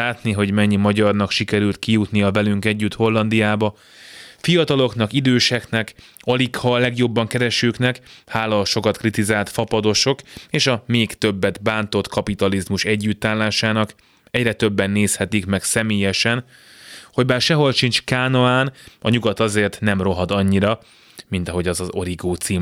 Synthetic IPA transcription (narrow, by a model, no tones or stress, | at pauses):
aːt̪niɦo̞ɟmɛɲːimɒɟɒrnɒkʃikɛɾylt̪kijut̪nijɒvɛlyŋkɛɟːyt̪ho̞lːɒnd̪ijaːbɒ | fijɒt̪ɒlo̞kn̪ɒkid̪øːʃɛknɛk | ɒlikhɒlɛɡjo̞bːɒŋkɛɾɛʃøːknɛkhaːlɒlʃo̞kɒt̪krit̪izaːlt̪fɒpɒd̪o̞ʃo̞keːʃɒmeːkt̪ø̞bːɛd̪baːnt̪o̞t̪kʰɒpit̪ɒlizmuʃɛɟːyt̪ːaːlːaːʃaːnɒk | ɛɟrɛt̪ø̞bːɛnːeːshɛt̪ikmɛksɛmeːjɛʃɛn | ho̞ɟbaːrʃɛɦo̞lʃint͡ʃkaːnoaːnɒɲuɡɒt̪ɒzeːrt̪nɛmro̞ɦɒd̪ɒɲːiɾɒ | mint̪ɒɦo̞ɟɒzɒzo̞ɾiɡoːt̪siː